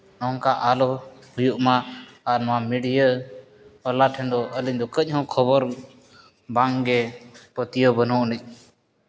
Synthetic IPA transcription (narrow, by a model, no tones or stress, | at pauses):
nɔŋkaʔalɔhujuʔmaːɾnɔwamiɽijə | ɔlaʈʰɛnd̪ɔʔəliɲd̪ɔkəc̚ˀɦɔ̃kʰɔbɔɾ | baŋɡɛpət̪ijəbənɔʔnəc̚ˀ